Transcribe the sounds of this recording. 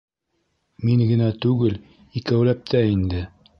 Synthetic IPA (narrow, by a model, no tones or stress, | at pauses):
miŋɡɘ̆næt̪ʉɡɘl | ikæwlæp̚t̪ʰæind̪ɘ